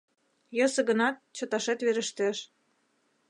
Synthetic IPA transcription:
jɤ̆sɤ̆ɣə̆nɑt̪̚t͡ɕɤ̆t̪ɑʃet̪βeɾə̆ʃt̪eʃ

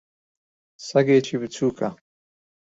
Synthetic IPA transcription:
sɐɡeːt͡ʃʰibit͡sʰuːkʰa

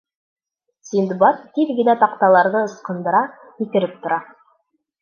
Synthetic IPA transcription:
sind̪bɑt̪t̪ːilɡɘ̆næt̪ɑqt̪ɑlˠɑɾðɤɤ̆sqɤ̆nd̪ɤ̆ɾɑ | kĭk̪ɘ̆ɾɘp̚t̪ŏɾɑ

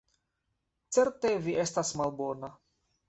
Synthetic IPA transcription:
t͡se̞ɾte̞viʔe̞stasmalbo̞na

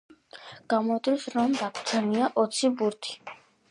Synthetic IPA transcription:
ɡ̥amɔd̪isɾɔmd̪akʰt̪sʰɛniaʔɔt̪sʰibuɾt̪ʰi̥

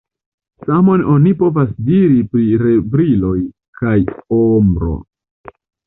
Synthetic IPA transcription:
samo̞no̞nipo̞vasdiɾipɾiɾe̞bɾilo̞j | kajombɾo̞̰

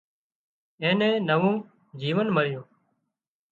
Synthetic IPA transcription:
ẽːnẽːnəʋõː | d͡ʒiːʋənməɭɪjõː

